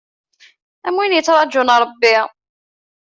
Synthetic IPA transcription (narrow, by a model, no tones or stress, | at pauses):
æmwinjət͡sːɾˤɑd͡ʒʊnɾˤɑbːɪ